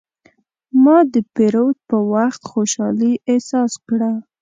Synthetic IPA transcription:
mɑd̪əpeɾowt̪̚pəwaxt̪xoʃɑliʔesɑskɽa

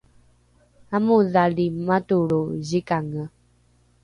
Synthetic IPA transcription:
amũðalimãtuɺozikaŋə

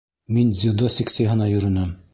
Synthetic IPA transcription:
minzʲid̪osʲiksʲejɦɤ̆nɑjɵ̆ɾɘ̆nɘm

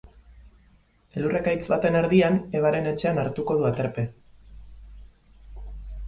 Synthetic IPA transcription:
elurekajt͡sβat̪e̞ne̞ɾðiane̞β̞aɾe̞ne̞t͡ʃe̞anaɾt̪uko̞ð̞uat̪eɾpe̞

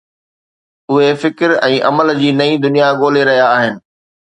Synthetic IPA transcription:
ʊɦefɪkɾɛ̃ːʔɐ̰məld͡ʑiːnɐĩd̪ʊnijaɠoːleɾɐɦijaːɦɪnɪ̆

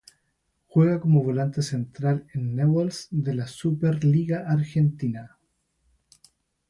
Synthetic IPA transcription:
xwe̞ɣakomoβo̞lant̪ese̞nt̪ɾalenːewalsd̪elasupeɾliɣaʔaɾxent̪ina

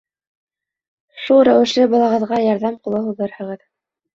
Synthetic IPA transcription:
ʃulˠɾæwɘ̆ʃlɘbɑlˠɑʁɤ̆ðʁɑjɑɾðɑmqulˠɤɦuðɤɾhɤ̆ʁɤð

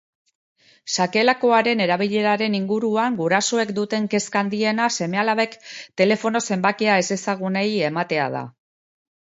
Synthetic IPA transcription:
sake̞lako̞aɾe̞ne̞ɾaβ̞iʎe̞ɾaɾe̞niŋɡuɾuaŋɡuɾaso̞e̞kd̪ut̪e̞ŋke̞skand̪ie̞nase̞me̞alaβe̞kt̪e̞le̞fo̞no̞se̞mbakeae̞se̞saɣ̞une̞je̞mat̪e̞a̰ð̞a̰

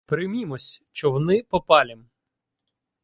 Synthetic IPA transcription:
pɾɪmʲimɔsʲt͡ʃɔʋɔnɪpɔpɑlʲim

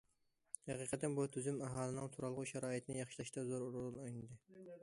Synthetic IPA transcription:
hɑqiqət̪ːɛnbut̪ʰyzymæɦɑːlˠɨnɨŋt̪ʰuɾɑlˠʁʊʃɑɾɑːit̪ʰnɪjɑχʃi̥lˠɑʃt̪ɑzoɾuɾulˠɨnojnɨd̪ɨ

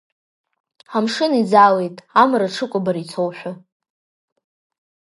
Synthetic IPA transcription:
amʂɨnid͡zale̞jtʼamraʈ͡ʂʰɨkʷʼʊbaɾit͡sʰowħʷᶣa

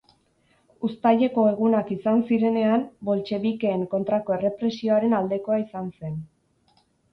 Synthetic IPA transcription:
ust̪aʎe̞ko̞e̞ɣ̞unakisansiɾe̞ne̞ambo̞lt͡ʃe̞βike̞ːŋko̞nt̪ɾako̞e̞re̞pɾe̞sio̞aɾe̞nald̪e̞ko̞aisanse̞n

